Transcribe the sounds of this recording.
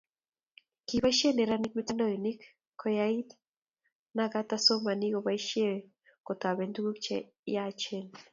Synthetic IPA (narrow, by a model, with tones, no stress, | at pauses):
ki˨ba˦ʃe˦ne˨ɾa˦ni˦k̚mi˦t̪a˦ndɔ˦˨jo˨ni˦k | kʰːɔ˦ja˦i˦t̪ | na˦ɡa˦t̪a˦so˦ma˨ni˦ɡo˨ba˦i˦ʃe˦we | ko˨t̪a˨be˨ndu˦ɡu˦kt͡ʃɛ̰˦ | ja˦t͡ʃe˦˨l